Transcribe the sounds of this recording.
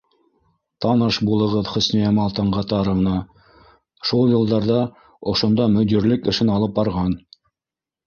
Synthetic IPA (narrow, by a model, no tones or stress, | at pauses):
t̪ɑnɤʃbulˠɤ̆ʁɤðχɵ̆snijæmɑlˠt̪ɤ̆ɴʁɑt̪ɑɾɤ̆ʁnɑ | ʃulˠjɤ̆lˠd̪ɑɾðɑ | ŏʃŏnd̪ɑmɵ̆d̪iɾlɘkɘ̆ʃɘnɑlˠɤp̚bɑɾʁɑn